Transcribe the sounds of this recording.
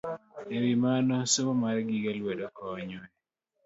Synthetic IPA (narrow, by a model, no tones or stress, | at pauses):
ewimanɔsomaɾɡiɡalwedokɔɲɔɛ